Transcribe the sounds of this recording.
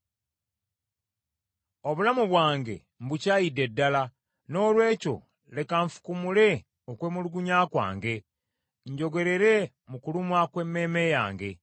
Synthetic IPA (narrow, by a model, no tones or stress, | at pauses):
o̞βulamuβwaːŋɡe̞̰ | m̩bucaːjidːe̞dːala | no̞ːlwe̞ːco̞̰ | le̞kaɱfu̥kumule̞ | okweːmuluɡuɲaːkwa̰ːŋɡe̞ | ɲɟo̞ɡe̞ɾe̞ɾe̞ | mukulumwakwe̞mːe̞ːme̞ja̰ːŋɡe̞